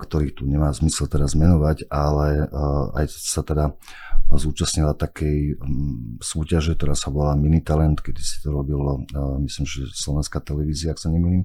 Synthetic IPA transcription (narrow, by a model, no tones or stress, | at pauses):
kt̪ɔɾiːxt̪uɲɛmaːzmisɛlt̪ɛd̪azmɛnɔʋaɟalɛa̰jsat̪ɛd̪a | zuːt͡ʃasɲilat̪akʰɛj | suːcaʒɛk̚t̪ɔɾaːsaʋɔlaːminit̪alɛnt̪kɛd̪isi̥t̪ɔɾɔbilɔmisliːmʒɛslɔʋɛnskat̪ɛlɛʋiːziaaksaɲɛmɛɲiːm